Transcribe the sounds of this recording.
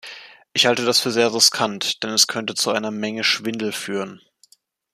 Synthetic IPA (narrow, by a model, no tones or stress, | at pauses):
ʔɪçhaltədasfyːɐzeːɐʁɪskʰantd̥ɛnɛskʰœntət͡suʔaɪnɐmɛŋəʃv̥ɪndl̩fyːʁən